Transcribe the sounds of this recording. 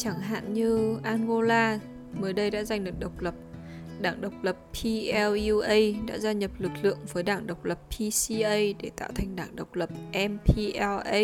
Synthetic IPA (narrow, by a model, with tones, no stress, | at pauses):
t͡ɕa˧˩ŋɦa̰ː˧˨nɲɨ˧ʔaː˧nɣo˧laː˧ | məː˨˦jɗə˧jɗa̰ː˧˥za˨˩jŋ̟lɨ˨˩k̚ɗə˨˩wk͡p̚lə˨˩p̚ | ɗaː˧˩ŋɗə˨˩wk͡p̚lə˨˩pʰːi˧ʔɛ˧lu˧ʔə˧jɗa̰ː˧˥zaː˧ɲə˨˩p̚lɨ˨˩k̚lɨ̰˧˨əŋvəː˨˦jɗaː˧˩ŋɗə˨˩wk͡p̚lə˨˩pʰːi˧si˧ʔə˧jɗe˧˩t̪a̰ː˧˨wt̪ʰa˨˩jŋ̟ɗaː˧˩ŋɗə˨˩wk͡p̚lə˨˩p̚ʔɛ˧mpʰi˧ʔɛ˧ʔə˧